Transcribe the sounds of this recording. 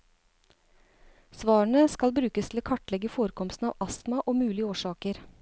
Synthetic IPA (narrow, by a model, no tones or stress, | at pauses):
sʋɑːɳəskɑlbɾʉːkəst̪ʰl̩oːkʰɑʈlɛɡəfoːɾəkʰɔmst̪n̩ɑ̰ːʋʔɑsmɑʔoːmʉːlɪəoːʃɑːkəɾ